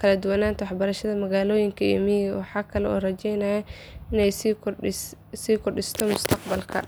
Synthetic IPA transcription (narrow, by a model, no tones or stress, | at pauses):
kʰɐlɐd̪ʊwɐnaːnt̪ʰɐwɑħbɐɾɐʃɐðɐmɐɣaːlɔːjɪŋkʰɐɛ̰miːɣɐwɑħɑːkʰɐlɛɔ̰ːrɐt͡ʃɛjnaːjɛ | ɪnɛj | siːkʰʊrɖɪst̪ʰɔmʊst̪ʰɐqbɐlkʰɐ̰